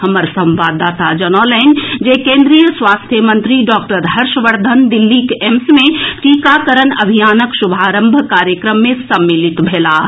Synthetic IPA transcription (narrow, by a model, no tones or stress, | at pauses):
həməɾsə̃mʋaːd̪aːt̪ad͡ʒənɔːlɛnd͡ʒekẽːnd̪ɾijəsʋaːst̪ʰjəmə̃nt̪ɾiɖɔːkʈəɾɦəɾʃəʋəɾd̪ʱənd̪ilːikemsmẽʈikakəɾənɐbʱijaːnəksubʱaːɾə̃mbʱəkaːɾjəkɾəmːẽsɐmːilit̪bʱeːlaː